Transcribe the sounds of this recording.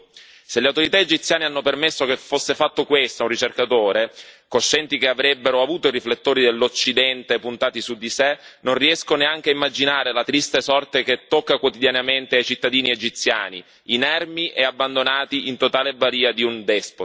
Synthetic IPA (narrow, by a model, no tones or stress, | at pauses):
seleawt̪oɾit̪aed͡ʒit̪sjaːneanːopermesːokefosːefat̪ːokwest̪aunrːit͡ʃerkat̪oːɾekoʃːɛnt̪ik̟eavɾɛbːeɾoavuːt̪oiriflet̪ːoːɾid̪elːot͡ʃːid̪ɛnt̪epunt̪aːt̪isud̪ːisenːonriɛskoneaŋk̟eaimːad͡ʒinaːɾelat̪ɾist̪esɔrt̪ek̟et̪ːokːakwot̪id̪janament̪eajt͡ʃit̪ːad̪iːnied͡ʒit̪sja̰ːnḭ | inɛrmiʔeabːand̪onaːt̪iʔint̪ot̪aːlebaɾiːad̪iund̪ɛspo